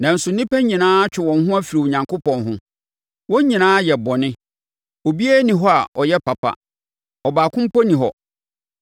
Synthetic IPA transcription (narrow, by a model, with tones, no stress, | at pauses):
nã˨n̩˨sʊ˨nĩ˦pæ˦ɲĩ˨nãː˦t͡ɕᶣɪ˨wɔ̃˨nɦʊ̃˦a˦fi˨ɾi˨wo˨ɲã˨ŋko˦pɔ̃˨nɦʊ̃˦ | wɔ̃˦ɲ˦ɲĩ˨nãː˦jɛ˨bɔ˨nɪ̃˦ | o˨bi˦æ˦nĩ˨ɦɔ˦a˨ʔɔ˨jɛ˦pa˨pʰa̰˨ | ɔ˨baː˨kʰʊ̃˦m̩˦pɔ˦nĩ˨ɦɔ̰˨